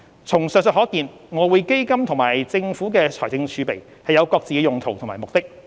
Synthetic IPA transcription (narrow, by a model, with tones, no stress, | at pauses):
t͡sʰʊ˨˩ŋsœː˨k̚sə˨t̚ɦɔː˨˥kiː˨˧n | ŋɔː˨˧wuː˨˧jke˥jkɐ˥mt̪ʰʊ˨˩ŋmaː˨˩jt͡sɪ˧ŋfuː˨˥kɛː˧t͡sʰɔː˨˩jt͡sɪ˧ŋt͡ʃʰyː˨˧pe˨˩j | hɐ˨jɐ˨˧wkɔː˧k̚t͡siː˨kɛ˧jʊ˨ŋt̪ʰo˨wt̪ʰmaː˨˩mʊ˨k̚t̪ɪ˥k̚